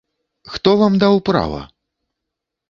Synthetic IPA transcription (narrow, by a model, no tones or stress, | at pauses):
xt̪ɔvamd̪awpɾa̰vɐ̰